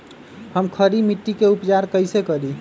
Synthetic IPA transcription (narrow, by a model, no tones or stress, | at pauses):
həmkʰəɾimiʈːikeupt͡ʃaɾkəɪsekəɾi